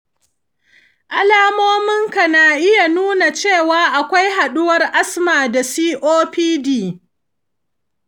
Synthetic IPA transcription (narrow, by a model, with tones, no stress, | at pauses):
ʔa˨laː˦moː˦mɪ˦ŋka˨naː˨ʔɪ˦ja˨nuː˦na˨t͡ʃeː˦˨waː˦ʔa˨kʷa˦jɦa˨ɗʊ˦wɐ˦rʔa˦smaː˨da˨siː˦ʔoː˦ɸiː˦diː˨